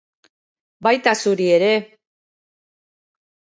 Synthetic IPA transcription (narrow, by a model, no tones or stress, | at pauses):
bajt̪asuɾie̞ɾe̞